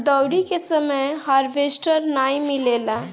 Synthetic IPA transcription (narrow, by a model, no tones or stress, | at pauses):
d̪əwɽikesəməjɦaɾbʱesʈəɾnajmilela